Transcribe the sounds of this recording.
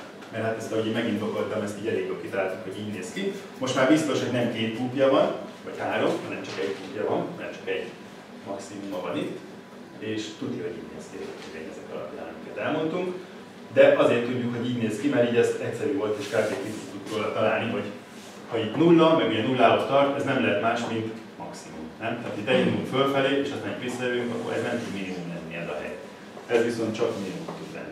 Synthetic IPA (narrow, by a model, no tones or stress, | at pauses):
mɛrhat̪ɛst̪ɒɦoɟemɛɡind̪o̞ko̞lt̪ɒmɛst̪iːɟɛleːɡjokit̪ɒlaːlt̪uŋkho̞ɟiːɟneːski | mo̞ʃt̪maːɾbist̪o̞ʃho̞ɟnɛmkeːt̪pupjɒvɒnvɒchaːɾo̞mhɒnɛmt͡ʃɒkɛɟpuːpjɒvɒnhɒnɛmt͡ʃɒ̥kɛɟ | mɒksimumɒvɒnit̪ː | eːʃt̪ud̪niho̞ɟḭːɟnḛːskiɛzɛk̪eɡɛɲɛzɛkɒlɒ̰pja̰ːnɒmikɛt̪ɛlmo̞nt̪uŋk | d̪ɛʔɒzeːrt̪ːuɟːukho̞ɟiːɟneːzkimɛɾiːɟɛst̪ɛcʲsɛɾyːvo̞lt̪eːʃkaːveːkit̪it̪t̪ut̪ɾoːlɒt̪ɒlaːlniɦo̞ɟ | hɒit̪nulnɒmɛɡuɟɛnulːaːɦot̪t̪ɒrt̪ɛznɛmlɛɦɛt̪maːʃmint̪ | mɒksimṵmnɛmt̪æːt̪id̪ɛminimuɱfølfɛleːeːʃɛznɛmpisɒjɛlyŋkɒ̰kːo̰lɛ̰znɛmt̪ud̪minimumlɛnːiɛzɒɦɛ̰j | ɛzʋiso̞nt̪t͡ʃɒkminimumt̪ud̪lɛ̰nːi